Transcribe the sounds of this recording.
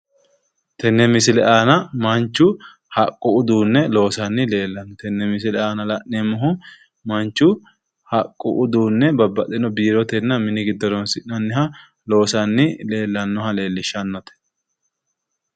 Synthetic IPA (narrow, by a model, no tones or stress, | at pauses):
t̪ɛnːɛmɪsɪlɛʔaːnɐmɐnt͡ʃːʊ | hɐkʼːʊʊd̪uːnːɛlo̞ːsɐnːɪle̞ːlːɐnːɔt̪ɛnːɛmɪs̬ɪlɛʔaːnɐlɐʔnɛmːʊɦʊ | mɐnt͡ʃːʊ | hɐkʼːʊ̰ʔʊd̪uːnːɛbɐbːɐt̪ʼɛnɔbiːɾɔt̪ɛnːɐmɪnɪɡɪd̪ːɔɾɔnsɪʔnɐnːɪɦɐ | lo̞ːsɐnːɪle̞ːlːɐnːɔhɐle̞ːlːɪʃɐnːɔt̪ɛ̥